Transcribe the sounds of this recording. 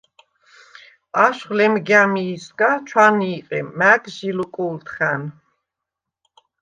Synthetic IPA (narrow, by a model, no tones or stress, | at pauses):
aʃχlɛmɡamiːskat͡ʃʰwaniːqʼɛ̰mæɡʒilukʼult̪ʰχæn